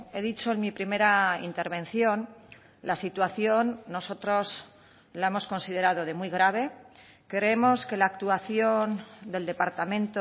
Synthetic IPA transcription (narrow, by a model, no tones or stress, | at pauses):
e̞ðit͡ʃo̞enmipɾime̞ɾaḭnt̪e̞ɾβẽ̞n̟θjo̞n | lasit̪waθjonːo̞so̞t̪ɾo̞z | lae̞mo̞sko̞nsið̞e̞ɾað̞o̞ðe̞mwiɣ̞ɾaβ̞e̞ | ke̞ɾeemo̞ske̞laːk̚t̪uaθjo̞nd̪e̞ld̪e̞paɾt̪amẽ̞nt̪o